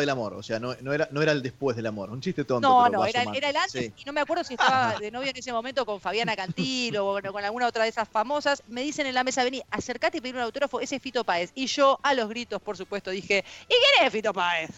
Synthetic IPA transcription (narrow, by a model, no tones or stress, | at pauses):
ðelamo̰ɾo̰seanonoeɾanoeɾaeld̪espwezðelamoɾunt͡ʃist̪et̪onnonoeɾaeaeɾaelanesino̞meakwe̞ɾð̞os̬ieht̪aβaðeno̞βjoenes̬emomẽnt̪o̞ko̞ɱfaβjanakant̪iloonkonalɣunaot̪ɾaðesasfamo̞sasme̞ðise̞nenlamesaβeniaseɾkat̪eipeimunawt̪o̞ɾafoesefit̪opaesiʒoalo̞zɣɾit̪o̞spoɾsupwe̞st̪oðixe̞ikenesfit̪opaes